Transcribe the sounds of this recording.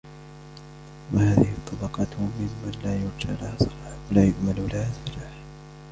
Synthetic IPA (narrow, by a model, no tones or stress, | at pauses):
wahaːðɪhɪt̪ˤːɑbɑqɑtmɪmːanlaːjʊɾˤd͡ʒaʕlahasˤɑlɑwalaːjʊʔmallahasfalaːħ